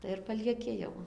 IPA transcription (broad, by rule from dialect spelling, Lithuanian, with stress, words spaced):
tɐɪ ɪr pɐlʲiɛˈkʲɪ jɛʊ